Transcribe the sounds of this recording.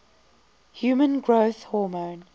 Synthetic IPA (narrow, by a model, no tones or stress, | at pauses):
hjuːmə̃nɡɹoʊθhɔːmõʊn